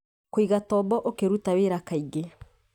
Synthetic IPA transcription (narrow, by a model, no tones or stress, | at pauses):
koiɣatɔːbɔʔokeɾutaweɾakaiɡe